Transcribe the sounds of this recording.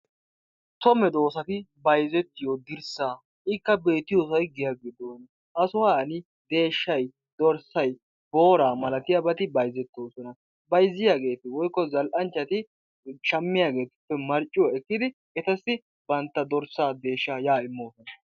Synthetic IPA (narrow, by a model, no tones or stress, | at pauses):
t̪ɔmɛd̪o̞ːsɐt̪ɪbɐjzɛt̪ːɪjod̪ɪɾsaː | ʔɪkːɐbe̞ːt̪ɪjoːs̬ɔjɡɪjaːɡɪd̪oːn | ʔɐsʊwanɪ | d̪̥e̞ːʃːɐj | d̪̥ɔɾsɐj | b̥o̞ːɾaːmɐlɐt̪ɪjɐbɐt̪ɪbɐjzɛt̪ːoːsɔnɐ | bɐjzːɪjaːɡe̞ːt̪ɪwɔjkːɔzɐlʔɐnt͡ʃːɐt̪ɪ | t͡ʃɐmːɪjaːɡe̞ːt̪ɪ̥pːɛmɐɾt͡ʃʼːɪwɐɛkːɪd̪ɪ | ɛt̪ɐsːɪ | bɐnt̪ːɐd̪ɔɾsaːd̪e̞ːʃːaːjaːɪmːoːsɔnɐ